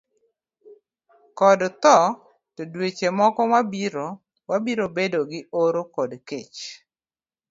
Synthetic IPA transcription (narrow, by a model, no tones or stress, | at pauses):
kɔdt̪ɔ | todwet͡ʃemɔkɔwabiɾo | wabiɾobedoɡɪʔoɾokɔdket͡ʃ